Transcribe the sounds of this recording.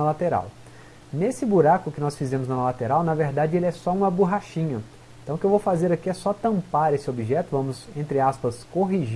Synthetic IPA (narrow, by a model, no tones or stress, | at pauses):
ɐlat̪eɾa̰w | nesɪbuɾakʊkɪnɔsfizẽmʊznɐlat̪eɾawnɐveɾd̪ad͡ʒɪelɪɛsɔũmɐbuɦaʃĩɲɐ | ẽt̪ɐ̃w̃ʊkɪewvowfazeɾɐkiɛsɔt̪ɐ̃mpaɾesɪobiʒɛt̪ʊvɐ̃mʊsẽnt̪ɾɪaspɐskoɦiʒi